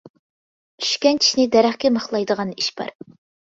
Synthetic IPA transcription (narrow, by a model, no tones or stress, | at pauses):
t͡ʃʰy̥ʃkʲɛnt͡ʃʰi̥ʃnɪd̪ɛɾæχkʲɛməχlˠɑjd̪əʁɑniʃbɑ̰ɾ